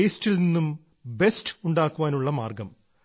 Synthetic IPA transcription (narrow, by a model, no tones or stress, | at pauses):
eːstilninːum | be̞stuɳɖaːkːuʋaːnuɭːɐmaːrɡɐm